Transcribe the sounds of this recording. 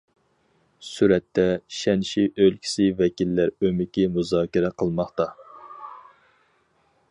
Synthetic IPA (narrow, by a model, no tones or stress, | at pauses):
syɾɛt̪ʰːɛʃɛnʃiʔølkʲʰi̥sɪvɛkʲilːæɾømɪkʲimuzɑːkʲiɾɛqʰəlˠmɑχt̪ɑ